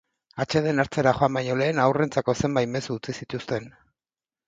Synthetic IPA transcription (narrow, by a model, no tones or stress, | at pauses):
at͡ʃe̞ð̞e̞naɾt͡se̞ɾaxo̞ambajɲo̞le̞ːnawre̞nt͡sako̞se̞mbajme̞suːt͡sisit̪ust̪e̞n